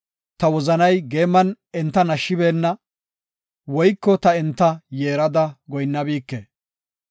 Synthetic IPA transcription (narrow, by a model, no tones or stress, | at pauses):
t̪ɐwɔzɐnɐjɡe̞ːmːɐn | ɛnt̪ːɐnɐʃːɪbe̞ːnːɐ | wɔjkːɔt̪ɐɛnt̪ːɐjeːɾɐd̪ɐɡɔjnːɐbiːkːe